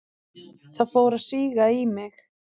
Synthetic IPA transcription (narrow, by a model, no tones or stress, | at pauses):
θaðfoːwɾaðsiːɣaimɪx